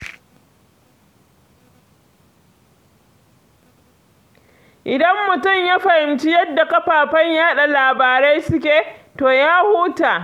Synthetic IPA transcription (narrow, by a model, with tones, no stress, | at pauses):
ʔɪ˨dɐ˦mːʊ˨tʊ˦˨mja˦ɸɐ˨hɪ˨mt͡ʃi˦jɐ˦dːa˨kɐ˦ɸaː˨ɸɐ˦ɲjaː˦ɗa˨laː˨baː˨ɾe˦jsʊ˦kʲeː˨toː˨jaː˦huː˦taː˨